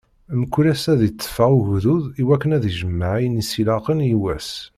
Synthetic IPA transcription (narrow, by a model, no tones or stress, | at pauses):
məkʷːuɾæsæðit͡s̪ˤːə̥faʁuɣðuðiwækːənæðiʒəmːaʕijənisilɑqənjiwæs